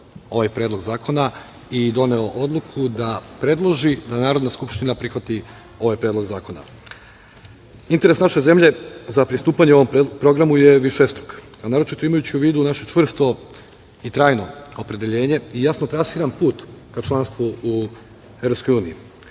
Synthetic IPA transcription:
o̞ʋajpɾeːd̪lo̞ɡzaːko̞na | id̪o̞ne̞o̞ʔo̞d̪lˠukʰud̪apɾe̞d̪lˠo̞ʒid̪anaːɾod̪naskupʃt̪inapɾixʋat̪i | o̞ʋajpɾe̞ːd̪lo̞ɡzaːko̞na̰ | int̪eɾe̞snaʃe̞ze̞mʎe̞zapɾist̪uːpaɲeo̞ʋompɾo̞ɡɾamuje̞ʋiʃest̪ɾok | anaːɾo̞t͡ʃit̪o̞imajut͡ɕiuʋiːd̪unaʃet͡ʃʋr̩st̪o̞ | it̪ɾaːjno̞opɾe̞d̪e̞ʎe̞ːɲe̞ijasno̞t̪ɾasiɾanpuːt̪kat͡ʃlˠanst̪ʋuu | evɾopsko̞juːnii

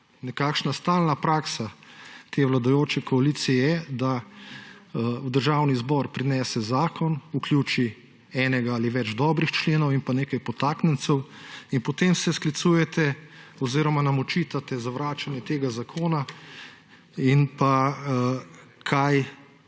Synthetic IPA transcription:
nɛkakʃnast̪aːlnapɾaːksat̪eːʋlad̪ajoːt͡ʃɛkɔalit̪sijɛjɛd̪a | ud̪əɾʒawnizbɔːɾpɾinɛːsɛzaːkɔnukljuːt͡ʃi | ɛːnɛɡaaliʋɛd͡ʒd̪ɔːbɾixt͡ʃleːnɔwinpaneːkajpɔt̪aːknɛnt̪sɛwinpɔt̪emsɛsklit̪suːjɛt̪ɛɔziːɾɔmanamɔt͡ʃit̪at̪ɛzaʋɾaːt͡ʃanjɛt̪eːɡazakʰoːna | inpa | kʰaj

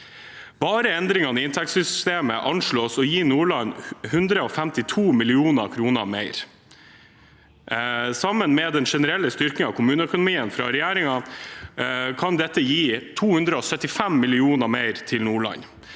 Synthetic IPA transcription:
bɑːɾəɛnd̪ɾɪŋɑnəɪnt̪ʰɛk̪̚sʏsʏst̪eːməʔɑnʂɭoːsɔjiːnuːɭɑnhʉnd̪ɾəɔfæmt̪ɪt̪ʰuːmɪlɪuːnə̰kʰɾuːnə̰ɾmeɪɾ | sɑmːənmɛːd̪ɛnʂɛnəɾɛlːəst̪ʏɾkɪŋɑʋkʰʊmʉːnəœkʊnʊmiːənfɾɑːɾɛjæːɾɪŋɑ | kʰɑnd̪ɛt̪ːəjiːt̪ʰuːhʉnd̪ɾəɔsœt̪ːɪfæmːɪlɪuːnəmeɪɾt̪ʰɪlnuːɭɑ̰ɲ

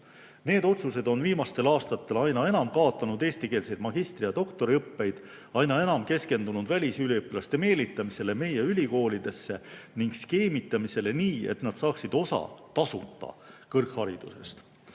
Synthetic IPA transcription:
ne̞ːd̪o̞t̪suse̞d̪̥o̞nviːmɑst̪e̞lɑːst̪ɑt̪ːe̞lɑjnɑe̞nɑmkɑːot̪ːˑɑnud̪e̞ːst̪ikeːlsejd̪mɑɡ̥ist̪rijɑd̪̥o̞kt̪o̞ɾiɤpːe̞jd̪̥ | ɑjnɑenɑmke̞ske̞nd̪̥unud̪̥vælʲisylʲiɤpːlɑst̪e̞me̞ːlit̪ːˑɑmise̞le̞me̞jeylʲiko̞ːlid̪̥e̞sːe̞niŋɡ̥ske̞ːmit̪ːˑɑmise̞le̞niːe̞̰t̪nɑd̪̥sɑːksid̪̥o̞sɑ̰t̪ɑsut̪ˑːɑ̰kɤrkhɑɾid̪̥use̞̰st̪

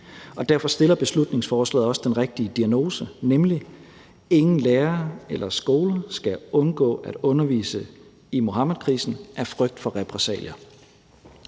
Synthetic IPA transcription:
ɒ̽d̥æɐfɒ̽sd̥e̝lɐb̥e̝slud̥ne̝ŋsfɒːslɛ̰ːð̩ˠɒ̽səd̥enʁeɡ̥̚d̥iəd̥iæno̝ːsənemli | e̝ŋn̩leːɐelʔɐsɡ̥o̝ːləsɡ̥æɔ̽nɡ̥ɔ̰̽ːʔæɾ̥ɔ̽nɐʋḭːsə | imo̝ɦɑ̈mæðˠkʰʁḭːsn̩ʔæɐfʁœɡ̥̚d̥fɒ̽ʁɛpʰʁɛsɛ̰ːljɐ

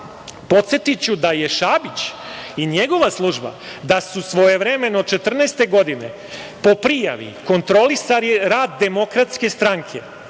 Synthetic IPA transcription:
po̞t̪sjet̪it͡ɕud̪aje̞ʃabit͡ɕ | iɲe̞ɡo̞ʋaslˠuʒba̰d̪asusʋo̞je̞ʋɾe̞me̞nod̪̚t͡ʃe̞t̪r̩nest̪e̞ɡo̞d̪ine̞̰ | po̞pɾija̰ʋḭko̞nt̪ɾolisaɾiɾaːd̪ːe̞mo̞kɾat̪ske̞st̪ɾaŋkʰe̞̰

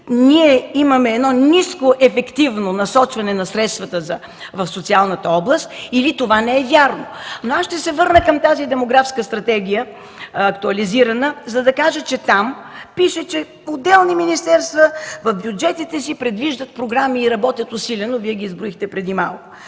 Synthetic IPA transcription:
niɛimɐmɛːd̪nɔniskoʔɛfɛkt̪ivnonɐsɔt͡ʃvɐnɛnɐsɾɛt̪st̪vət̪əzɐ | vɐfsot̪sialˠnət̪əɔblˠəst̪ilit̪ovanɛɛvjaɾnonoasʃt̪ɛsɛvɤɾnəkəmt̪azid̪ɛmoɡɾafskəst̪ɾɐt̪ɛɡ̟ʲijə | ɐkt̪uɐliziɾɐnəzɐd̪ɐkaʒət͡ʃɛt̪ampiʃɛt͡ʃɛ | od̪ɛlˠniminist̪ɛɾst̪vəvɐfbjud͡ʒɛt̪it̪ɛsipɾɛd̪viʒd̪ət̪̚pɾoɡɾamiːɾɐbɔt̪ʲjət̪ʊsilʲɛnoviɛɡʲiːzbɾoixt̪ɛpɾɛd̪imalˠkʊ

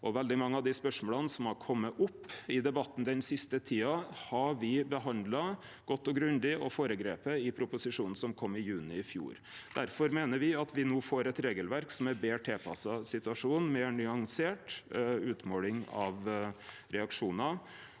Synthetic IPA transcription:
ʔɔʋɛld̪ɪmɑŋːəɑʋd̪ɪspœʂmoːlɑnsɔmhɑɾkʰɔmːəʔʊpːɪd̪ɛbɑt̪ːn̩d̪ɛnsɪst̪ət̪ʰiːɑhɑʋɪbəɦɑnd̪lɑ | ɡ̥ɔt̪ːɔɡɾʉnd̪ɪɔfoːɾəɡɾeːpəɪpʰɾʊpʊsɪʂuːnn̩sɔmkʰɔmːɪjʉːnɪɪfjṵːɾ | d̪̥æɾfɔɾmeːnəɾʋɪɑt̪ʰʋɪnuːfoːɾɛt̪ɾeːɡəlʋæɾksɔmæɾbeːʈʰɛːpʰɑ̰sɑsɪt̪ʉɑʂuːnmɛnʏɑŋseːʈʉːt̪moːlɪŋɑʋ | ɾɛɑkʂuːnɑ

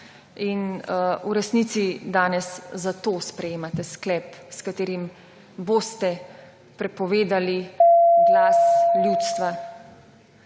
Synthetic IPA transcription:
inuɾɛsniːt̪sid̪aːnɛszat̪oːspɾɛjeːmat̪ɛsklɛpskat̪eːɾim | bost̪ɛ | pɾɛpɔʋeːd̪aliɡlaslʲjut̪st̪ʋa

